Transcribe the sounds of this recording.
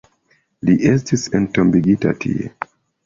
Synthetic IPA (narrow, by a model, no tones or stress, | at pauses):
liʔe̞s̬tisentombiɡita̰tʰḭḛ